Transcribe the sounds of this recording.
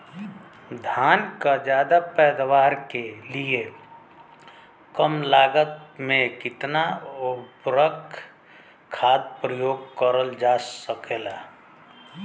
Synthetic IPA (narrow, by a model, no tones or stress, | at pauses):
d̪ʱaːnkad͡ʒjaːd̪apɛːd̪waːɾkelie | kəmlaːɡət̪mẽkɪt̪naʊpɾək | kʰːaːt̪̚pɾəjoːɡ̚kəɾəld͡ʒaːsəkeːlaː